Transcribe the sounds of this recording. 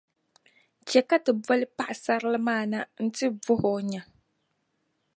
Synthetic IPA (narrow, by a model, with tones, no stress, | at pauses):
t͡ʃɛ˨ka˦tɨ˨bɔ˦lɨ˦pa˦ʔa˨sa˦ɾɨ˦lɨ˦maː˦˨na˦n̩˦tɨ˦vʊ˦ho˨ɲa˨